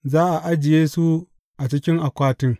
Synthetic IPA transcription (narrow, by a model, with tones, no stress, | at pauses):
zaː˦ʔa˨ʔa˦d͡ʒɪ˨jeː˦su˦ | ʔa˨t͡ʃɪ˦kʲɪ˦ŋʔa˨kʷaː˦tɪ˦ŋ